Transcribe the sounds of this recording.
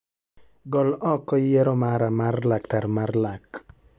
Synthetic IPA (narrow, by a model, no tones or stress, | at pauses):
ɡɔlɔkɔjɛɾɔmaɾamarlaktaɾmarlak